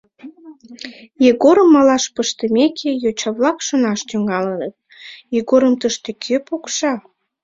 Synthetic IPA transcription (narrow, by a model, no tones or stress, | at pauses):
jeɣoɾəmːɑlɑʃpəʃt̪əmekʰejot͡ɕɑβlɑkʃonɑʃt̪yŋɡɑlənət̪̚ | jeɣoɾəmt̪əʃt̪ekʰøpokʃɑ